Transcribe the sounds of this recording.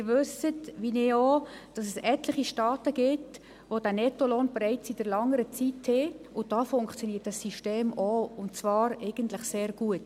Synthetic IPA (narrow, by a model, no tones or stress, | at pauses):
mɪɾʋʏsətʋinɪod̥ɑsɛsɛtləχiʃtɑːtəɡ̥ɪt | ʋodænɛtoloːnbɾɛɪt͡sid̥əɾlɑŋəɾət͡sithɪ | ʊd̥ɑːfʊŋkt͡sjoɔniːət̚dɑsːiʃteːmoʊntt͡svɑːɾɛɪɡ̥əntlɪχseːɾɡ̥uət